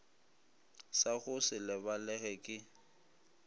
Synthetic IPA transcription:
saɣʊsɪlɪbalɛɣɛkʼɪ

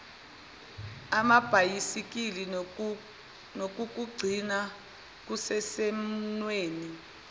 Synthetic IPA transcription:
amab̥ʱajisik̬ili | nok̬uk̬uɡ͡ǀʱina | k̬usɛsɛm̩nweːni

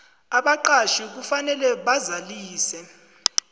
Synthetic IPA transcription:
aɓaǃaʃiuk̬ufanɛlɛɓazaliːsɛ

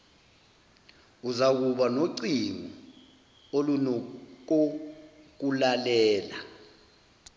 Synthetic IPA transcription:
uzak̬uɓanoǀiŋɔ | olunok̬o | k̬ulalɛːla

